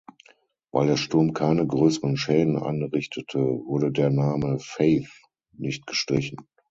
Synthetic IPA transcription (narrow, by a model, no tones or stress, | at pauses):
va̰ɪldeːɐʃtʊɐmkʰaɪnəɡʁøːsəʁənʃɛːdn̩ʔa̰nʁɪçtʰətʰəvʊɐɾədeːɐnaːməfeɪθ | nɪçt̚ɡ̥əʃtʁ̥ɪçn̩